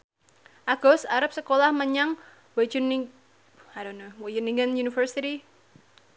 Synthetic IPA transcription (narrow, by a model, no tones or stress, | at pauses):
ʔaɡ̥ɔsaɾap̚səkolahməɲaŋ | wed͡ʒn | adonowod͡ʒuniŋɡənjunifərsiti